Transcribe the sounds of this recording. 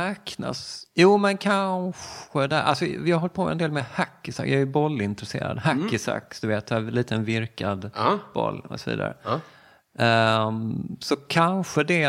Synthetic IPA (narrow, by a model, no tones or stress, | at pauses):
ɛkna̰sjuːmɛnkʰanɧəd̪ɛʔa̰lsɔvɪhaɾɦɔl̚pʰoɛ̰nd̪eːlmɛhakːɪsa̰kjaɛjɵbɔlːɪnt̪ɾɛsḛːɾa̰d̪hakːɪsa̰kːsd̪̥ɵveːt̪ɛliːt̪ənvɪɾkad̪b̥ɔ̰lːɔ̰sɔvḭːd̪a̰ɾə̰ | sɔkʰanɧəd̪ɛ